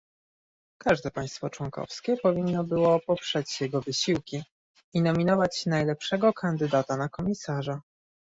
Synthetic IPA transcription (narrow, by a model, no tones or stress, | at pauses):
kaʐd̪ɛpaj̃st̪fɔt͡ʂwɔŋkɔ̰fskʲɛpɔvʲinːɔbɘwɔpɔpʂɛt͡ɕjɛɡɔvɘɕiwkʲi | inɔmʲinɔvat͡ɕnajlɛpʂɛɡɔkʰand̪ɘd̪at̪anakɔmʲisaʐa